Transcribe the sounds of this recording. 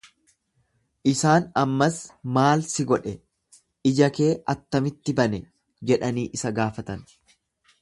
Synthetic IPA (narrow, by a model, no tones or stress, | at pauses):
ʔɪsaːnɐmːɐsmaːlsɪɡɔᶑɛ | ɪd͡ʒɐke̞ːʔɐt̪ːɐmɪt̪ːɪbɐnɛ | d͡ʒɛᶑɐniːʔɪsɐɡaːfɐt̪ɐn